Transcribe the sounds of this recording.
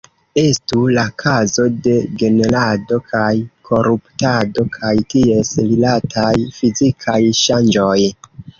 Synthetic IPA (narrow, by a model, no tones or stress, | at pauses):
e̞stulakʰazo̞de̞ɡe̞ne̞lado̞kʰajkʰo̞ɾuptado̞kʰajtie̞slilatʰajfizikʰajʃand͡ʒo̞j